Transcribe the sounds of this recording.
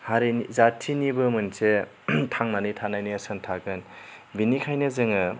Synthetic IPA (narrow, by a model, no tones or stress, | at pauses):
haɾiizatʰinibɯmɯnse | tʰaŋnanitʰanajniɐsantʰaɡɯnbinikʰajnɯzɯŋɯ